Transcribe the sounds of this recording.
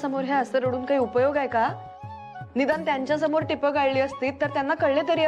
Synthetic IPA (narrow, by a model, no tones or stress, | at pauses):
səmoɾɦjaəsəɾəɽuːnkaɦiːupəjoɡajka | nid̪ant̪jaɲt͡ɕjasəmoɾʈipəɡaɭliːəst̪iːt̪ːəɾt̪janːakəɽɭet̪əɾiː